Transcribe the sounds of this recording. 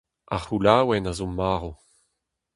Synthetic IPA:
a̰χulaːwɛnazomaːʁo

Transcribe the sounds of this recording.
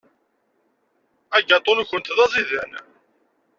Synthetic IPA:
æɡɑt̪ˤːonçənt̪ðæzˤiðæn

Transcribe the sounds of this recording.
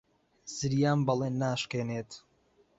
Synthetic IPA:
zɨɾijaːmbɐlˠeːnːaːʃkeːneːt̪

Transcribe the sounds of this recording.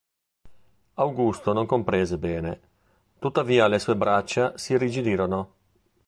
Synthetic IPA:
awɡust̪onoŋkompɾɛːzebɛːne | t̪ut̪ːaviːalesuːebɾat͡ʃːasirid͡ʒid̪iːɾono

